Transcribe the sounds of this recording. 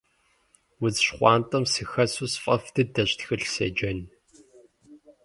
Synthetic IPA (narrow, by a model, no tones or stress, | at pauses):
wʊzʃχʷɑːntʼɐmsɨxɐsuːsfʼɐftʰɨdɐɕtxɨɬsḛːd͡ʒɐn